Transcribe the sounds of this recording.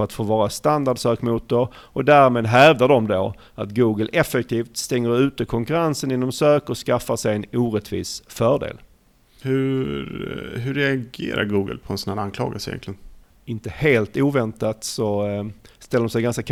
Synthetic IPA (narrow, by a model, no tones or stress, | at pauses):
œɾat̪foːvɑːɾast̪and̪aɖsøːkmuːt̪əɾɔd̪æɾmeːd̪ɦɛvd̪aɖɔmd̪o | at̪ɡuːɡəlʔɛfɛk̚t̪ʰiːft̪st̪ɛŋːəɾʉ̟ːt̪əkʰɔŋkɵɾansənɪnːɔmsøːkɔskafːaʂɛjɛnuːɾɛt̪ʰvḭːsfœːɖḛːl | hɵ | ɦɵɾɛaɡḛːɾa̰ɾɡuːɡə̰lpʰɔɛnsɔnanankʰlɑ̰ːɡasəɪjɛ̰nt̪lɪɡən | ɪnt̪əheːlt̪uːvɛnt̪at̪sɔ | st̪ɛlːədɔmsɛjɡanskakʰ